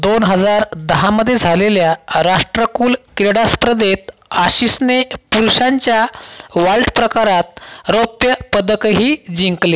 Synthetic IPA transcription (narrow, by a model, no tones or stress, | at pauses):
d̪onɦəd͡zaɾd̪əɦãməd̪ʱːjed͡zʱaleljaɾaʂʈɾəkuːlkiɾɽaspɾəd̪et̪̚aɕisnepuɾɕaɲt͡ɕjaʋaɭʈpɾəkaɾat̪̚ɾopjəpəd̪əkɦiːd͡ʑiŋkle